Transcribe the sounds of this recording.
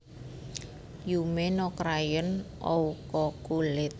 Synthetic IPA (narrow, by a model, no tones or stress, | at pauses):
jumenɔkɾajənʔɔukɔkulɪt̪̚